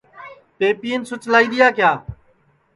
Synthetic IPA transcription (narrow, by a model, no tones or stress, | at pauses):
peːpiːənsʊt͡ʃlaːiːɗ̪ɪjaːkjaː